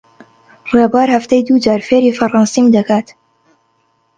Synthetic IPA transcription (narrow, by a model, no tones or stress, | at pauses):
rebaːɾhɐft̪ɐjd̪ud͡ʒaːɾfeːɾiːfɐrˤɑnsiːmd̪ɐkaːt̪